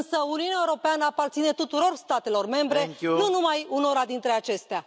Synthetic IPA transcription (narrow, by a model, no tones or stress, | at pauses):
nsəuniuneaeuɾo̞peanəapart̪sine̞t̪ut̪uɾo̞rst̪at̪e̞lo̞rme̞mbɾe̞ununumajunoɾad̪int̪ɾe̞at͡ʃe̞st̪ea